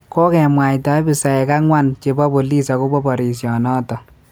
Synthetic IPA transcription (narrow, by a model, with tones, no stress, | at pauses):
ko˦kɛ˨mwa˨jta˦jbɪ˨sa˨ɛ˨ka˦ŋwa˦nt͡ʃe˨bɔ˦bo˨li˦sa˨ko˦bɔ˦bɔ˨ɾi˨s̬jɔ˨nɔ˦tɔ˨